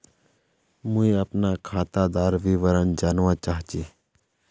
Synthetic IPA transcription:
mũĩəpnakʰaːt̪ad̪aːɾʋiʋəɾənd͡ʒaːnʋãːt͡ʃaːɦt͡ʃiː

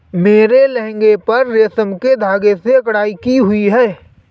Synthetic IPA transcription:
meːɾelɛ̃ɦŋɡepɐɾːeːsəmked̪ʱaːɡeseɐkɽaːikiɦʊiɦɛː

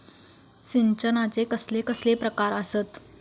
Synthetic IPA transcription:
siɲt͡ɕənat͡sekəslekəslepɾəkaɾəsət̪

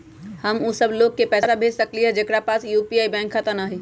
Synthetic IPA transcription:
həmusəbloɡ̚kepɛːsabʱeːd͡ʒsəkliɛd͡ʒekɾapaːsjupiaːibɛ̃ːŋkʰːat̪ənaːɦi

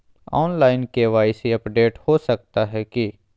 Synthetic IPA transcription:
ɔːnlaːɪnkeʋaːɪsiɐpɖeːʈhosɐk̚t̪aɦɛki

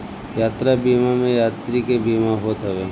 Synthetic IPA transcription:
jaːt̪ɾabiːmamẽjaːt̪ɾikebiːmaɦoːt̪ɦəʋeː

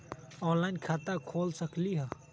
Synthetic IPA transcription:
ɔ̃ːnlaːɪnkʰaːt̪akʰoːlsəkliɦə

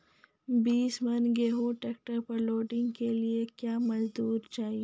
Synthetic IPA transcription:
biːsmɐnɡeːɦoʈeːk̚ʈəɾpɐɾloːɖɪ̃ŋɡkeliekjaːmɐzd̪uːɾt͡ʃaːɦie

